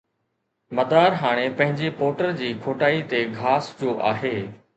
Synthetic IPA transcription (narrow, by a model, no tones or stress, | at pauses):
mɐd̪aːɾɦaːɽ̃epɐ̃ɦɪ̃ɲd͡ʑepoːʈəɾd͡ʑiːkʰoːʈaːit̪eɡʱaːsd͡ʑoːʔa̰ːɦeː